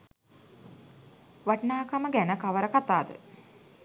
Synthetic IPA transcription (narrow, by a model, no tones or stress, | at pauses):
ʋaʈnaːkaməɡænəkaʋəɾəkat̪aːd̪ə̰